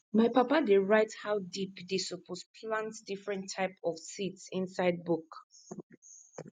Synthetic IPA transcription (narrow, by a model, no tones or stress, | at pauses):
maɪpapadeɹaɪthawdipdesɔpʰospʰlãntdifɹɛ̃ntʰːaɪpɔfsitsĩnsaɪd̚buk